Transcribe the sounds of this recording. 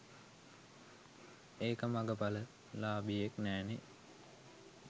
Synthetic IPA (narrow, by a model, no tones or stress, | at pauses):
eːkəmaɡəpalə | laːbieknæːne